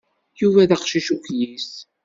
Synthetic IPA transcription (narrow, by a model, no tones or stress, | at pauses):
juvæðæqʃiʃukjis